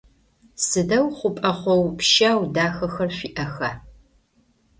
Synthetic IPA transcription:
sɨdɐwχʷʊpʼɐχʷɔwpʃaːwdaːxɐxɐrɕʷiːʔɐxɐ

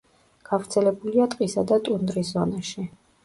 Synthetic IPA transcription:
ɡ̥avɾt̪sʰɛlɛbuliat̪ʼqʼisad̪at̪ʼund̪ɾiszɔnaʃi

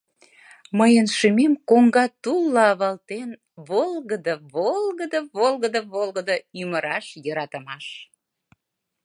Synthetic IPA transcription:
məjənʃimemkoŋɡɑt̪ulˠːɑɑβɑlt̪en | βolˠɣəd̪əβolˠɣəd̪əβolɣəd̪əβolɣɡəd̪əyməɾɑʃjəɾɑt̪əmɑʃ

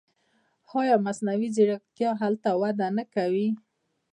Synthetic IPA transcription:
xɑjɑmasnawiziɽakjɑɦalt̪awad̪anakawi

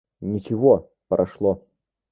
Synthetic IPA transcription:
nʲit͡ʃiɣɔ | pɐɾʔaʂlˠɔ

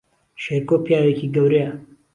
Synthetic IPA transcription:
ʃeɾkopʰijaːwekiɡɐwɾea

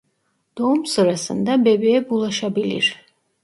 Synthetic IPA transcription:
d̪̥o̞umsɯɾasɯ̰nd̪abe̞bejɛbulˠaʃabilʲḭɾ̥

